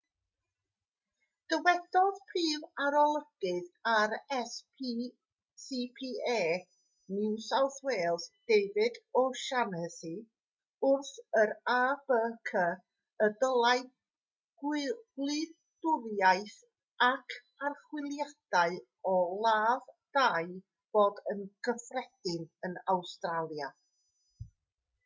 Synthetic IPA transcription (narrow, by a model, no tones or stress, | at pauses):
d̥əwɛd̥ɔðpʰriːvaɾɔlˠəɡ̥ɪðaɾɛspʰi | sipʰiːeː | nɪwsawθweːlˠsd̥ejvɪdɔʃanəsi | ʊrθəɾaːb̥əːkʰə | ədəlˠaj | ɡlɪ | d̥ʊðjajθ | akʰ | arχwɪlˠjad̥aɨ | ɔlˠaːvd̥aj | b̥oːdənɡ̥əfrɛd̥ɪnənawstralˠja